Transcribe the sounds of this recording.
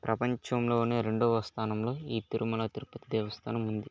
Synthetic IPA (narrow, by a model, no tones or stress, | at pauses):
pɾʔɐpɐɲt͡ʃɐmlo̞ːuneːɾe̞ɳɖɔːʋɐst̪ʰaːnɐmlo̞ːiːt̪uɾumɐlɐt̪iɾupɐt̪id̪eːʋɐst̪ʰaːnɐmund̪i